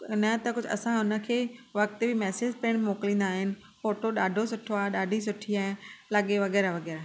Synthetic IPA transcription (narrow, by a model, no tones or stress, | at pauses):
nɐt̪ɐkʊd͡ʑʱʊɐ̰sãʊnə̆kʰeːʋɐk̚t̪bʱɪmɛːseːd͡ʑpeːɽ̃moːklĩːn̆d̪aːɦɪnɪ̆ | foːʈoɗaːɖʱosʊʈʰoaːɗaːɖʱis̬ʊʈʰiaːɦlɐɠeʋɐɣɛːɾaʋɐɣɛːɾaː